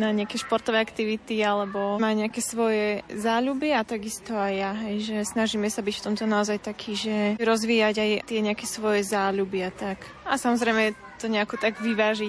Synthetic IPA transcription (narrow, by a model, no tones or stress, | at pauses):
naɲɛakɛʃpɔɾt̪ɔʋɛakt̪iʋit̪ialɛbɔmaɲɛakɛsʋɔjɛzaːʎubiat̪aɡist̪ɔajːaɦɛjʒɛsnaʒiːmɛsabicft̪ɔmt̪ɔnaɔzajt̪akʰiːʒɛɾɔzʋiːjaɟajt̪ɪɛɲɛakɛsʋɔjɛzaːʎubɪat̪ak | asamɔzɾɛjmɛ | t̪ɔɲɛakut̪aɡʋiʋaːʒi